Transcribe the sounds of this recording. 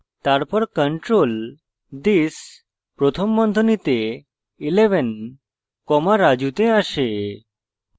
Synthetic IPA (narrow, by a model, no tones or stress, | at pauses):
t̪aɾpəɾkəɳʈɾol | d̪is | pɾot̪ʰəmːənd̪ʱənit̪e | ileʋən | kɔmaɾad͡ʑut̪eaɕe